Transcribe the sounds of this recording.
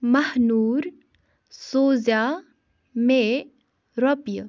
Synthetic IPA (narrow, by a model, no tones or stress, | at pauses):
mɐhnuːɾ | soːza | me | ɾɔpjə